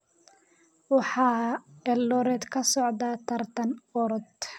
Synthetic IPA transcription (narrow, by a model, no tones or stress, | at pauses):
wɑħɑːɛlːɔɾɛːd̪kʰɐsɔʕd̪at̪ʰɐrt̪ʰɐnɔɾɔd̪